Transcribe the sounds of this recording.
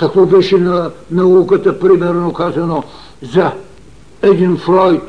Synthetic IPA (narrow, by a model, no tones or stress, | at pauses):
kɐkvɔbɛʃɪnɐnɐukɐt̪ɐpɾimɛɾnʊkazɐno | zɐ | ɛd̪infɾɔjt̪